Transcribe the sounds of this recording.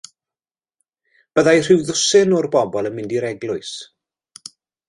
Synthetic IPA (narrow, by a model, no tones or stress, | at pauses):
b̥əðajr̥ɪwðʊsɪnɔrbɔbɔlˠənmɪndiɾɛɡlˠʊɨs